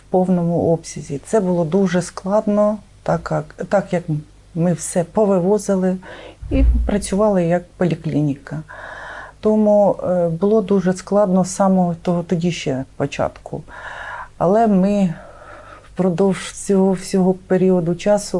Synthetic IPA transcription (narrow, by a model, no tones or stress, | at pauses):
wpɔwnɔmʊʔɔpsʲɐzʲit̪sɛbʊlˠɔd̪uʒɛsklˠɑd̪nɔ | t̪ɑkɑkt̪ɑkjɐk | mɪwsɛpɔʋɪʋɔzɪlˠɪipɾɐt͡sʲʊʋɑlˠɐjɐkpɔlʲiklʲinʲikɐ | t̪ɔmubʊlˠɔd̪uʒɛsklˠɑd̪nɔsɑmɔt̪ɔɦɔt̪ɔdʲiʃt͡ʃɛpɔt͡ʃɑ̰t̪kʊ̰ | ɐ̰lˠɛmɪ | pɾɔd̪ɔwʒt͡sʲɔɦɔwsʲɔɦɔpeɾʲiɔd̪ʊt͡ʃɑsʊ